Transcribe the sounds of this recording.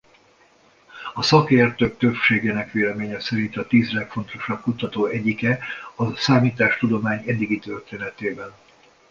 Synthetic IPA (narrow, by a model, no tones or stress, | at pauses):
ɒsɒkeːrt̪øːk̚t̪ø̞pʃeːɡeːnɛkʋeːlɛmeːɲɛsɛɾint̪ɒt̪iːzlɛkfo̞n̪t̪o̞ʃɒb̚kut̪ɒt̪oːɛɟikɛɒsaːmiːt̪aːʃt̪ud̪o̞maːɲɛd̪ːiɡit̪ø̞rt̪eːnɛt̪eːbɛn